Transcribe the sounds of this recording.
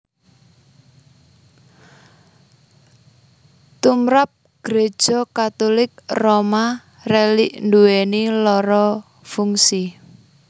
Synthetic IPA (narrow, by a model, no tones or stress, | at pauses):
t̪umɾap̚ | ɡ̥ɾe̥ʒ̥ɔkat̪ulɪk̚roma | reliʔnduwenilɔɾɔ | fuŋsi